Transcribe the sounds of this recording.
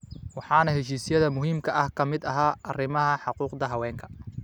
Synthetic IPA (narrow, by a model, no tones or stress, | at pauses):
wɑħɑːnɐɦɛʃ̬iːsɪjɐðɐmʊɦiːmkʰɐʔɐhkʰɐmɪd̪ɐɦaːʔɐrɪmɐɦɐħɑquːqd̪ɐɦɐwɛːŋkʰɐ̥